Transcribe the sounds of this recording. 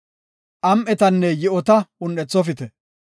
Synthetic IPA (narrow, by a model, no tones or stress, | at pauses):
ʔɐmʔɛt̪ɐnːɛjɪʔɔt̪ɐʊnɛt͡sːɔfɪt̪ɛ